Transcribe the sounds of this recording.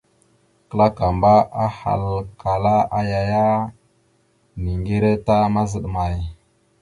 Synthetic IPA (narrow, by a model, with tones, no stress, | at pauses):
kə˦la˦ka˨mba˦a˦ha̰˨lka˨la˦a˦ja˦ja˦ | ni˨ŋɡe˦ɾe˦ta˦ma˦zə˨ɗma˨j